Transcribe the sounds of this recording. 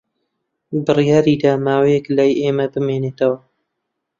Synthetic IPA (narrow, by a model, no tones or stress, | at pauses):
bɨrijaːɾiːd̪aːmaːwejɛklaːjʔeːmɐbɨmeːneːt̪ɐwɐ